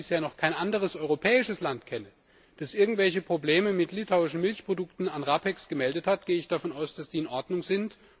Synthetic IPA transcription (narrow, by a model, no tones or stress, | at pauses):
ɪsheːɐnɔχkʰaɪnʔandəʁ̞əsʔɔʏʁopʰɛːɪʃəslantkʰɛnə | d̥asʔɪɐɡŋ̩tv̥ɛlçəpʁ̥obleːməmɪtlitʰaʊɪʃn̩mɪlçpʁ̥odʊktn̩anʁapɛksɡ̥əmɛldəthatɡ̥eːəɪçd̥afɔnʔaʊsd̥asd̥iːɪnʔɔɐdnʊŋzɪnt